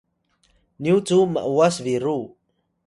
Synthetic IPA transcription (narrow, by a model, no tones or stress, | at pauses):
niut͡suma̰ʔuwasviɾu